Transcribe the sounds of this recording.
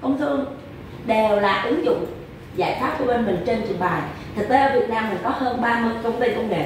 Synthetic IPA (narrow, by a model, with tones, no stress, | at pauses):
kə˧wŋ͡mt̪ɨ˧ən | ɗe˨˩wlaː˨˩ʔɨ˨˦ŋzʊ̰˧˨ŋ͡m | zaː˧˩jt̪ʰwaː˦˥t̚ku˧˦ɓe˧nmï˨˩ŋ̟t͡ɕe˧nt͡ɕɨ̰˨˧˨əŋɓaː˨˩jt̪ʰɨ˨˩k̚t̪e˨˦ʔəː˧˩vi˨˩ət̚naː˧mi˨˩ŋkɔ˨˦həː˧nɓaː˧mɨ˧əjkə˧wŋ͡mt̪ə˧jkə˧wŋ͡mŋḛ˨˩